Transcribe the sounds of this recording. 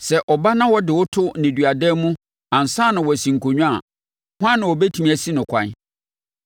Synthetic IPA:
sɛ˨ʔɔ˨ba˦nã˦wɔ˦dɪ˨wʊ˦tʰʊ˦nɪ̃˨dɥa˨dɛ˦mũ˦ | ã˨n̩˨saː˦nʊ̃˨wɔ˨sĩ˨ŋ̩˨kʰo˨ɲᶣũ˦a̰˨ | hã˦nɪ̃˨wɔ˨bɛ˦tʰi˨mĩ˦æ˨si˦nʊ̃˨kʷʰã̰˨˦n˦

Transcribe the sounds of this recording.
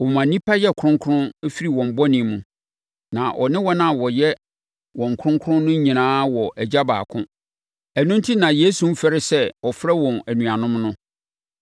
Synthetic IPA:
ɔ˨mã˨nĩ˦pʰa˦jɛ˦˨kʰʊ̃˦ŋkʰʊ˦ɾʊ̃˦fi˦ɾi˨wɔ̃˨m˨bɔ˦nĩ˨˦mũ˨ | nã˨ʔɔ˨nɪ̃˦wɔ˦nã˨wɔ˨jɛ˦ | wɔ̃˨ŋ˨kʰɾʊ̃˦ŋkʰʊ˦ɾʊ̃˦nnʊ̃˦ɲĩ˨nãː˦wɔ˨ʔæ˨d͡ʑa˦ba̰ː˨kʰʊ̰̃˦ | æ˨nũ˦ntʰi˦nã˨je˦su˨m̩˦fɛ˦ɾɪ˦sɛ˦ɔ˨fɾɛ˦wɔ̃˨næ˨nũ˨a˨nʊ̃˦mnʊ̃˦

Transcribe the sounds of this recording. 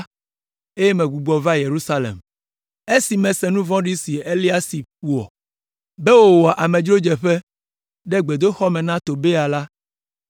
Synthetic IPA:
e˦je˦mɛ̃˨ɡu˨ɡ͡bɔ˨va˦je˨ɾu˦sa˦lḛ˨m | e˦si˨mɛ̃˨sɛ˨nũ˦vɔ̃˦ɖi˦si˨e˦li˦a˦si˨u˨ɔ̰˨ | be˦wo˦˨wo˨a˨ʔa˨mɛ̃˨d͡ʒɾo˦d͡ʒɛ˨ɸe˦ | ɖɛ˦ɡ͡be˨d̪o˦xɔ˦mɛ̃˨nã˦t̪o˨be˦a˨la˦

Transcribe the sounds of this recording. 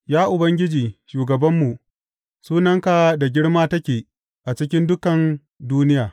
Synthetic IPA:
jaː˦ʔʊ˨bɐ˦ŋɡʲɪ˦d͡ʒiː˨ʃuː˨ɡɐ˨bɐ˦mːu˨ʔ | suː˦nɐ˦ŋka˨da˨ɡʲɪ˦ɽmaː˦tɐ˦kʲeː˨ | ʔa˨t͡ʃɪ˦kʲɪ˦ndʊ˦kɐ˨n | duː˦nɪ˦jaː˨

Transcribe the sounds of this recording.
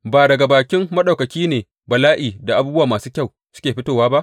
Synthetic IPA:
baː˨dɐ˨ɡa˨baː˨kʲɪ˦mːɐ˦ɗa˨wkɐ˨kʲiː˦neː˨ | bɐ˨laː˦ʔiː˨da˨ʔa˦buː˦bwaː˨maː˨suː˦kʲa˦˨w | sʊ̥˦kʲeː˨ɸɪ˦toː˦˨waː˦ba˦ʔ

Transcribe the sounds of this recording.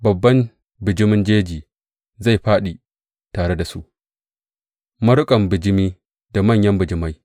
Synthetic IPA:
bɐ˨bːɐ˦n | bɪ˨d͡ʒɪ˦mɪ˦nd͡ʒeː˦d͡ʒiː˨ | za˦˨jɸaː˦ɗi˨ | taː˨ɽe˦da˨su˦ʔ | mɐ˦ɽʊ˦kʼɐ˨mbɪ˨d͡ʒɪ˦miː˦ | da˨mɐ˦˨ɲjɐ˦mbɪ˨d͡ʒɪ˦ma˦j

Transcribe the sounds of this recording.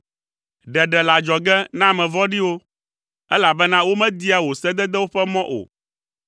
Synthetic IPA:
ɖɛ˨ɖɛ˨la˨d͡ʒɔ˨ɡɛ˦nã˦mɛ̃˨vɔ˦ɖi˦wo˦ | ɛ˦la˨bɛ˦nã˦wo˦mɛ̃˦d̪i˦a˨wo˨sɛ˦d̪ɛ˦d̪ɛ˦wo˦ɸɛ˦mɔ̃˦ʔo̰˨

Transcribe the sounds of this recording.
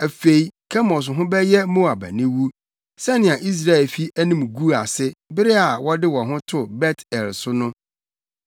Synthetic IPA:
æ˨fe˨i˨kʰɛ˦mɔ˨s̬ɦʊ̃˦bɛ˦jɛ˦mõ˦a˨bæ̰˨nĩ˦wu˦ | sɛ˦nɪ̃˨a˨ʔi˦s̬ɾa˦˨ɛ˨lfi˦æ˦nĩ˦m˨ɡu˦a˨sɪ˦bɪ˦ɾɪ˦a˨wɔ˦dɪ˦wɔ̃˨ɦʊ̃˦tʰʊ˨bɛ˦tʰɛ˨lsʊ˦nʊ̃˦

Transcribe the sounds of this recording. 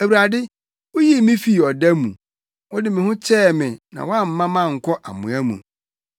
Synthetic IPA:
æ˨wu˨ɾa˨dɪ˦ | wo˦ji˦˨mĩ˦fi˦˨ɔ˨dæ˦mṵ̃˨ | wɔ˦dɪ˦mɪ̃˨hʊ̃˦t͡ɕʰɛː˦˨mɪ̃˨nã̰˨wɔ˦a˦m̩˨mã˦mã˦˨ŋ̩˨kʰɔ˦ʔa˨mʊ̰̃˨æ˦mṵ̃˨

